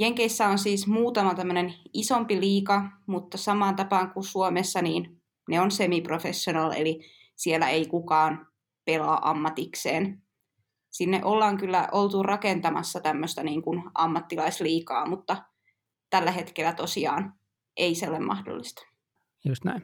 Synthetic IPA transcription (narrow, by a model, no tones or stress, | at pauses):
jeŋkeisːæonsiːsmuːt̪ɑmɑt̪æmːønenisompiliːkɑmut̪ːɑsɑmɑːnt̪ɑpɑːŋkusuomesːɑniːn | neonsemiprofesːonɑlḛli | sielːˑæ̰eikukɑːn | pelɑːʔɑmːɑt̪ikseːn | sinːeʔolːɑːŋkylːæʔolt̪urɑkent̪ɑmɑ̰sːɑt̪æmːøst̪æniːŋkunʔɑmːɑt̪ːilɑisliːkɑːmut̪ːɑ | t̪ælːæhet̪kelːˑæt̪osiɑ̰ːn | ʔeiseolemmɑ̰hdo̰lːist̪ɑ̥ | just̪næ̰in